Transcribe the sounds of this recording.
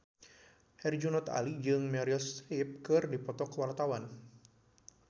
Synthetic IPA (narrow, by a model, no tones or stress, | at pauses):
hɛrd͡ʒunɔt̪a̰lid͡ʒɨŋmaɾiɔsɾip̚kɨrdipɔt̪ɔkəwart̪awan